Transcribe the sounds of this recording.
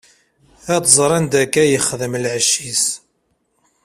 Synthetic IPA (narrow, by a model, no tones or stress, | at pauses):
æt̪zˤɾˤænd̪ækːæjəχðəmlʕəʃːis